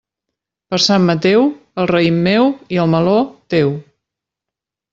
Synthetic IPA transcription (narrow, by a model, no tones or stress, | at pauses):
pəɾsamːət̪ewəlˠrəimːewiəlˠməlot̪ew